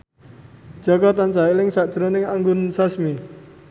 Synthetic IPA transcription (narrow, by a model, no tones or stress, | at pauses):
ʒ̥ɔkɔt̪ant͡ʃailɪŋsad̥ʒ̥ɾɔnɪŋaŋɡʊnsasmi